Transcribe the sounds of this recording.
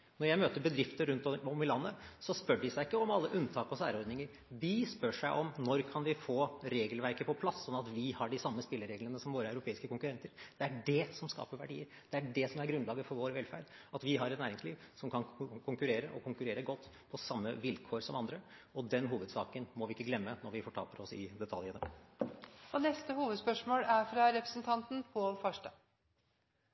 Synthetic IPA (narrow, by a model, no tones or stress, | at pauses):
nɔɾjæɪmøːt̪əbəd̪ɾɪft̪əɾʉnt̪ɔmɪlɑnːəsɔspœɖɪsæɪɪkːəɔmɑlːəʔʉnːt̪ʰɑːkɔsæ̰ːɾəɔɾd̪nɪŋəɾ | ʋɪspœʂæɪʔɔmnɔɾkʰɑnʋɪfoːɾeːɡəlʋæɾkəpʰɔpʰlɑsːɔnːɑt̪ʋɪhɑɖɪsɑmːəspɪlːəɾeːɡlənəsɔmʋoːɾəæʉɾʊpʰeːɪskəkʊŋkʉɾɛnt̪əɾd̪̥ɛæɖɛsɔmskɑ̰ːpəɾʋæ̰ɖiːəɾ | d̪̥ɛæɖɛsɔmæɾɡɾʉnlɑːɡəfɔɾʋoːɾʋɛlfæ̰ːɾɖɑt̪ʋɪɦɑɾɛt̪næːɾɪŋsliːʋsɔmkʰɑnkʰʊŋkʉɾeːɾəʔɔkʰʊŋkʉɾeːɾəɡɔt̪ː | pʰɔsɑmːəʋɪlkʰoːɾsɔmɑnd̪ɾə | ɔd̪ɛnɦuːʋəd̪sɑ̰ːkənmɔʋɪɪkːəɡlɛmːənɔɾʋɪfɔʈʰɑ̰ːpəɾɔsɪ̰d̪ɛt̪ʰɑljənə | ɔnɛst̪əhuːʋəd̪spœʂmoːlæɾfɾɑɾɛpɾəsn̩t̪ʰɑnt̪n̩pʰɔlfœʂʈə